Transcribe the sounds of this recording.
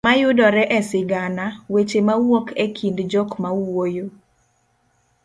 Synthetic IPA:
majʊdɔɾɛʔɛsɪɡanawet͡ʃemawɔkekʰindd͡ʒɔkmawojo

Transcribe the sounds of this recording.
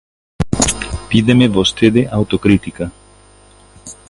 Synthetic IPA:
pid̪emevost̪ed̪eʔaut̪okɾit̪ika

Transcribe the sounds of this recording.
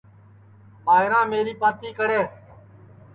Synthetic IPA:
ɓaːɦɪɾãːmeːɾiːpãːt̪iːkəɽeː

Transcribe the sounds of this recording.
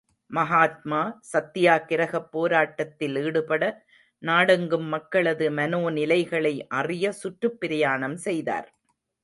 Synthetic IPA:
mɐɦaːt̪̚maːsɐt̪ːɪjaːkɪɾɐɣɐpːoːɾaːʈːɐt̪ːɪliːɽɯpɐɽɐ | naːɽɐŋɡɯmːɐkːɐɭɐðɯmɐnoːnɪlɐɪɣɐɭɐɪʔɐrɪjɐsʊʈrɯpːɪɾɪjaːɳɐmsɛjða̰ːɾ

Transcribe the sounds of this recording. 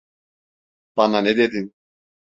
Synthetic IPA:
b̥ɑnaned̪ed̪in

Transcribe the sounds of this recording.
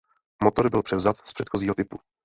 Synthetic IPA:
mot̪oɾbɪlpr̥ɛvzat̪spr̥ɛt̪xoziːɦot̪ɪpu

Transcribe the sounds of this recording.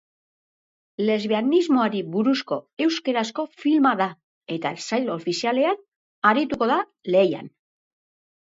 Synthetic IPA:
le̞zβeanizmo̞aɾiβuɾusko̞e̞wske̞ɾasko̞filmaða | e̞t̪aesajlo̞ːfisiale̞an | aɾit̪uko̞ða | le̞ja̰n

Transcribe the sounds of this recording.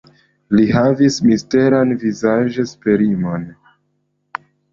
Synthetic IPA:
liɦavismiste̞ɾanvizaʒespe̞ɾimo̞n

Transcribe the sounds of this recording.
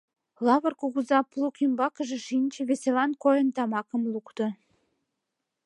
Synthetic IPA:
lɑβə̆rkuɣuzɑplˠukimbɑkəʒĕʃinʲt͡ɕĕβeselɑnkojənt̪ɑmɑkə̆mlukt̪o

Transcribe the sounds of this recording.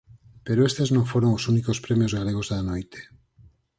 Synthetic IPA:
peɾoest̪eznõŋfoɾoŋosunikospɾemjozɣaleɣ̞ozðanojt̪e̥

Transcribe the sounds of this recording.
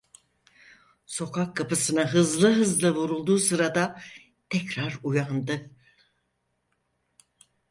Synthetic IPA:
so̞kʰakʰːapɯsɯnaɦɯzlˠɯɦɯzlˠɯvuɾulˠd̪uːsɯɾad̪a | t̪ʰɛcɾaɾujand̪ɯ

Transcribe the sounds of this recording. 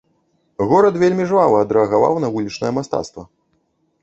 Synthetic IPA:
ɣɔɾɐt̪vʲelʲmʲiʐvavɐɐd̪ɾɛɐɣava̰wnɐvulʲit͡ʂnɐjɐmast̪a̰t̪st̪vɐ

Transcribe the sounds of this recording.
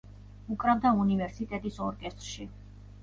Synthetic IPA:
ukʼɾabd̪aunivɛɾsit̪ʼɛt̪ʼisɔɾkʼɛst̪ʼɾʃi

